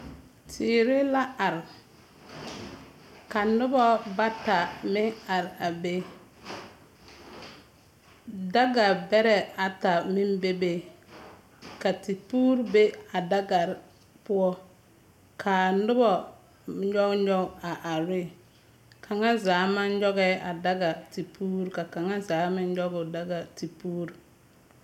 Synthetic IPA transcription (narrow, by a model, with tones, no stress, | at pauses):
tʰiː˨ɾɪ˦la˦a˨ɾ | ka˨nʊ˦bɔ˦ba˦ta˨mɪ˦ŋa˨ɾa˨be˦ | da˦ɡa˨bɛ˦ɾɛ˨a˨ta˨mɪ˦be˦be˦ | ka˨ti˨puː˦ɾbe˦a˨da˦ɡa˨ɾ | pʊ˦ɔ˦ | kʰa˨n̩˦dʊ˦bɔ˨ | ɲɔ˦ɡɲɔ˦a˨ʔa˨ɾɪ˦ | kʰa˨ŋa˦zaː˨˦ma˦n˦d͡ʒɔ˦ɡɛ˦ʔa˨da˦ɡa˨ti˨pʰuː˦ɾka˨ka˨ŋa˦zaː˨˦mɪ˦n˦d͡ʒɔ˦ɡʊ˨da˦ɡa˨ti˨puː˦ɾ